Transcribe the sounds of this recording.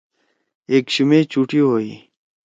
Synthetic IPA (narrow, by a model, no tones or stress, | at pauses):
eːkɕumeːt͡ɕuːʈiɦoːḭː